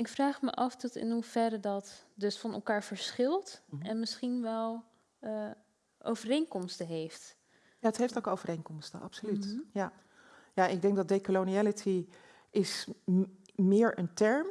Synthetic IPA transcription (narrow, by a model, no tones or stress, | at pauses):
ɪkfraːχmə̰ʔɑfdɔtɪ̰nɦuv̥ɛɾədɑtdɵsfɑnɛ̰lˠkaːɹvəɹsχɪlˠtɛnmɪsχinʋɛlˠ | ʔo̰wvərejŋkɔmstəɦejft | jaːətɦejftokowvərejŋkɔmstəɑ̰psolytja | jaɪɡ̚dɛŋɡdɑt̚dejkəloniɛlətʰi | ɪs | mɪːɹəntɛɹm